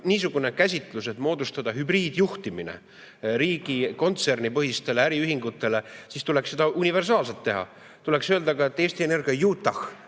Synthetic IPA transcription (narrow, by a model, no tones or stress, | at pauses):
niːs̬uɡ̥une̞kæs̬ʲit̪ˑluse̞t̪ːˑmo̞ːd̪ust̪ɑd̪̥ɑɦybriːd̪̥juht̪iminḛ | ɾiːɡ̥iko̞nt̪se̞rnipɤɦist̪e̞le̞æɾiyɦiŋɡ̥ut̪ːˑe̞le̞sist̪ule̞ksed̪ɑunʲive̞rsɑːlset̪ːe̞ɦɑ̰ | t̪uleksøːld̪ɑɡɑe̞t̪ːe̞ːsʲt̪iene̞rɡ̥iɑjuːt̪ːˑɑx